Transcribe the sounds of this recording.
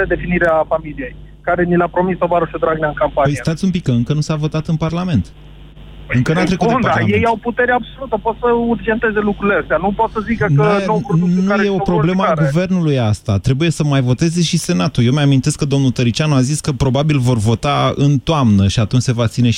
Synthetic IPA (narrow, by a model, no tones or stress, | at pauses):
ed̪e̞finiɾeafamilije̞j | kaɾe̞nilapɾo̞mist̪ovaɾoʃod̪ɾaɡneaɨŋkampanpəjiɨet̪at̪sʲumpikːəɨŋkənusavo̞t̪at̪ɨnparlame̞nt̪ | ɨŋkənuatt̪ɾekunaje̞jawput̪e̞ɾeabso̞lut̪əpot̪səurd͡ʒe̞nt̪eze̞lukɾuileast̪eanupot̪səzikəknəeowkunnkaeje̞o̞pɾoble̞məaɡuve̞rnulujast̪at̪ɾe̞buje̞səmajvo̞t̪e̞ze̞ʃise̞nat̪ujewmeamint̪e̞skəd̪o̞mnut̪əɾit͡ʃanuaziskəpɾo̞babilvo̞rvo̞t̪aɨ̰nt̪oamnəʃiat̪unt͡ʃʲse̞vat̪sine̞